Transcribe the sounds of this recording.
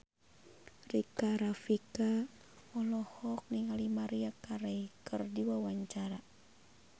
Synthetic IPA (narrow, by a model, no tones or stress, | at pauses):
rikaɾafika | ɔlɔhɔk̚niŋalimaɾiakaɾɛikɨrdiwawaɲt͡ʃaɾa